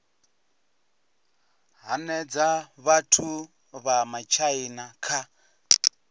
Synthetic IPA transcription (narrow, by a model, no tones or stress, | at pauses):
ɦanɛd͡zaβatʰu | βamat͡ʃʰainakʰa